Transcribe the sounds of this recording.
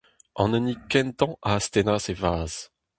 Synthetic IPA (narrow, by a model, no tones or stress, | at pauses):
ɑ̰̃nənikɛ̃nt̪ɑ̃ʔaast̪enaːsevaːz̥